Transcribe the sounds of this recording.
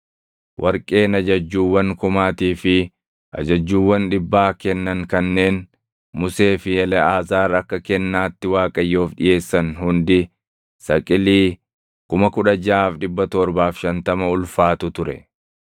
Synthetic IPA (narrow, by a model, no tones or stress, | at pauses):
wʔɐɾkʼe̞ːnɐd͡ʒɐd͡ʒːuːwːɐŋkʊmaːt̪iːfɪ | ʔɐ̰d͡ʒɐd͡ʒːuːwːɐnᶑɪbːaːkɛnːɐŋkɐnːe̞ːn | mʊse̞ːfɪjɛlɛaːzaːɾɐkːɐkɛnːaːt̪ːɪwaːkʼɐjːo̞ːfᶑɪje̞ːsːɐnhʊnd̪ɪ | sɐkʼɪliː | kʊmɐkʊᶑɐd͡ʒaːfᶑɪbːɐt̪ɔɾbaːfʃɐnt̪ɐmɐʊlfaːt̪ʊt̪ʊɾɛ̰